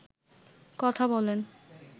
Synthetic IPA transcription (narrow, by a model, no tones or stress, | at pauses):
kɔt̪ʰabɔlen